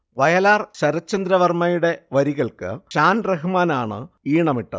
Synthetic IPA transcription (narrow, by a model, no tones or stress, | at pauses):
ʋɐjɐlaːrɕɐɾɐt͡ɕːɐnd̪ɾɐʋɐrmɐjuɽe̞ʋɐɾiɣɐɭkɨ̰ɕaːnreɦumaːnaːɳɨ̰ | iːɳɐmiʈːɐ̰ð